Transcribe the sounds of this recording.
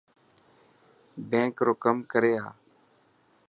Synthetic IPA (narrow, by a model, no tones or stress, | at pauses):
bẽːkɾoːkəmkəɾeːa̰ː